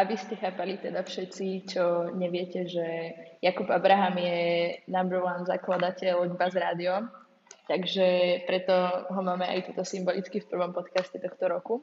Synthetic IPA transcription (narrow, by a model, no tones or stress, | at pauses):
ʔaʋiscɛxaːpalit̪ɛd̪afʃɛt̪t͡sit͡ʃɔɲɛʋɪɛcɛʒɛjakubabɾaɦamjɛnambɛɾlanzaklˠad̪acɛlɟbazɾaːd̪iɔm | t̪aɡʒɛpɾɛt̪ɔɦɔmaːmɛa̰jt̪uːt̪ɔsimbɔlit͡skifpr̩ʋɔmpɔt̪kascɛt̪ɔxt̪ɔɾɔku